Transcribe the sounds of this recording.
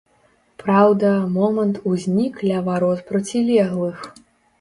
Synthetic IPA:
pɾawd̪ɐmɔmɐnt̪uzʲnʲiklʲɐvaɾɔt̪pɾɐt͡sʲilʲɛɣlˠɨx

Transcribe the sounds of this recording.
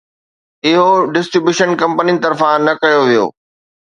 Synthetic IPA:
ɪɦoɖɪsʈɾɪbjuːʃənkɐ̃mpəninɪ̆t̪ɐɾfãnɐkɐjoʋijo̰ː

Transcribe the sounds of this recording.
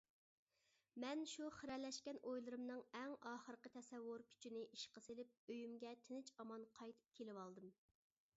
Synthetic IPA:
mɛnʃuχəɾɛlːɛʃkʲɛnʔojlˠɨɾɨmnɨŋɛŋɑːχəɾqət̪ʰɛsɛwːʊɾkʲʰy̥t͡ʃʰynɪʔiʃqəselɪp̚øjymɡʲɛt̪ʰɪnɪt͡ʃɑmɑnqʰɑjt̪ʰɨ̥p̚kʲʰelɪwɑlˠd̪ɨm

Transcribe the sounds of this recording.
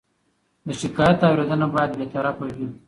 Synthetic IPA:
d̪əʃɪkɑjat̪awɾed̪ənabɑjad̪bet̪aɾafawi

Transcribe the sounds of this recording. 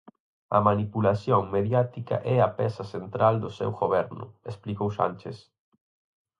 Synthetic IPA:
ɐ̰manipulaθjoŋmeðjat̪ika̰ʔɛapɛsasent̪ɾald̪ʊsɛ̰wɣoβɛɾnʊ̰esplikowʃa̰nt͡ʃes

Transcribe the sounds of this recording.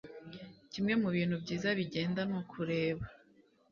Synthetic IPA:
cimŋe̞muβiːn̥hubɟiːzaβiɟe̞ːndanokʰuɾe̞ːβa

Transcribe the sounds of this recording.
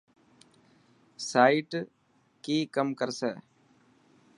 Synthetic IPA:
saːiʈ | kiːkəmkəɾsɛː

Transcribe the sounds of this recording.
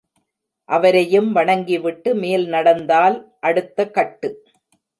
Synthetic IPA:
ʔɐʋɐɾɐjɯmʋɐɳɐŋɡiʋɪʈːɯmeːlnɐɽɐnd̪aːlʔɐɽɯt̪ːɐkɐʈːɯ

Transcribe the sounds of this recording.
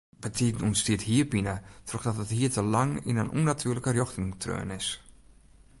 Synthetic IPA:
b̥ətʰidnɔnstiətɦiːərbinətʰrɔxdɔtəthiːətəlɑŋḭnənʔṵnatʰyːləkərjɔxtɪŋtʰrø̰ːnɪs

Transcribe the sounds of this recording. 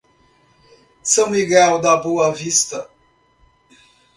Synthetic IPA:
sɐ̃w̃miɡɛwd̪ɐboɐvist̪ɐ

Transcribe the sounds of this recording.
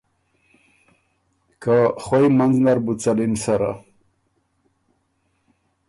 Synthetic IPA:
kaχwojmanznaɾbut͡salinsaɾa̰

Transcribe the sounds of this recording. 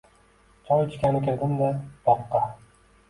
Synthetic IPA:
t͡ʃʰɒjt͡ʃʰɪ̥kʲanɪkʲeɾd̪ɪmd̪abɒqːɑ

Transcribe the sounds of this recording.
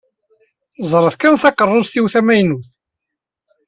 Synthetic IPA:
zˤɾˤəðkænθɑqərˤːoðˤθiwθæmæjnuθ

